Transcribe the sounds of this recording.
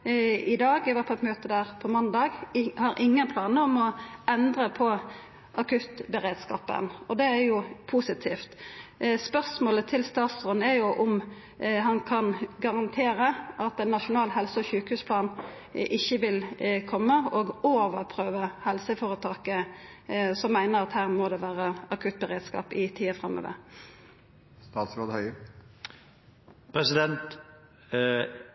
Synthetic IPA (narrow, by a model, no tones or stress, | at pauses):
ɪd̪ɑːɡɛʋæʁpʰɔɛt̪møːt̪əd̪æːʁpʰɔmɑnd̪ɑːɡhɑɾʔɪŋːənpʰlɑːnəɔmɔɛnd̪ʁəpʰɔ | ʔɑkʰʉt̪bɛʁeːd̪skɑ̰ːpə̰nɔd̪ɛæjʊpʰuːsɪt̪ʰiːft̪spœʁsmoːlət̪ʰɪlst̪ɑːt̪sʁɔnæɾjʊʔʊm | ɦɑnkʰɑnɡɑʁɑnt̪ʰeːɾəʔɑt̪ɛnːɑʂʊnɑːlɦɛlsəɔçʉːkəhʉːspʰlɑːn | ʔɪçːəʋɪlkʰɔmːəɔɡoːʋəʁpʰʁøːʋəhɛlsəfɔːʁət̪ʰɑːkə | sɔmːæɪnəʁɑt̪hæːʁmɔd̪ɛʋæːʁəɑkʰʉt̪̚bəʁeːd̪skɑ̰ːpɪt̪ʰiːəfʁɛmːo̰ːʋə̰ʁ | st̪ɑːt̪sɾod̪hœʏ | pʰɾɛsɪd̪ɛnt̪